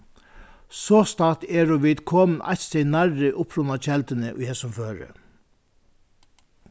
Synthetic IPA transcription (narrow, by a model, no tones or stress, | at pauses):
sɔːst̪aːt̪ɛːɾɔʋiːt̪kʰɔːmnʔa̰jçt̪sɛjnaɾːɪʔʊpɾʊnat͡ʃɛlt̪ɪnɪʔʊ̰jhɛːsʊmføːɾɪ̰